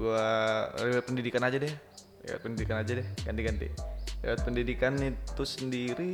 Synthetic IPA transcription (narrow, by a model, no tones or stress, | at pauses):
uariwat̪̚pəndidikanad͡ʒadɛ | lḛwa̰t̪̚pəndidikanad͡ʒadɛɡant̪iɡant̪ḭlḛwat̪̚pəndidikanit̪usəndiɾi